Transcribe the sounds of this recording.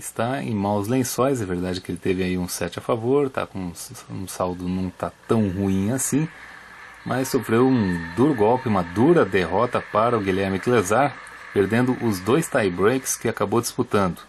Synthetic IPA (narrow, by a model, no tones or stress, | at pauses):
ɪst̪aḛ̃j̃mawzlẽsɔjzɐ̃veɾd̪ad͡ʒɪkɪelɪt̪evɪaiũsɛt͡ʃɪafavoɾt̪a̰kõũsawd̪ʊnɐ̃w̃t̪at̪ɐ̃w̃ɦuĩasĩ | mʔɐssofɾewũd̪uɾʊɡɔwpɪũmɐd̪uɾɐd̪eɦɔt̪ɐpaɾɐʊɡilɛɾmɪklezaɾ | peɾd̪ẽnd̪ʊʔʊzd̪ojst̪ajbɾejkɪ̥skɪakabowd͡ʒ̪isput̪ɐ̃nd̪ʊ